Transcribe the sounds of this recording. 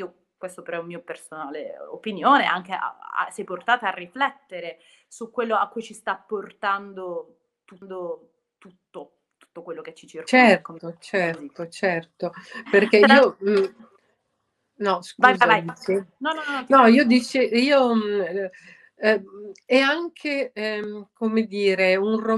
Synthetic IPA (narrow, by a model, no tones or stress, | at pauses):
iːo | kwest̪opeɾɔumːiːopersonaːlḛo̰pinjoːnea̰ŋk̟ea̰a̰sɛjport̪aːt̪aarːiflɛt̪ːeɾe | sukwelːoakːujt͡ʃist̪apːort̪and̪o | t̪und̪o | t̪ut̪ːo | t̪u̥t̪ːokwelːoket͡ʃːit͡ʃert͡ʃɛrt̪ot͡ʃɛrt̪ot͡ʃɛrt̪operk̟eiːo | nɔskvajzajsinɔnɔɔnɔiːod̪it͡ʃiiːo | ɛaŋkʰe | komed̪iːɾeunro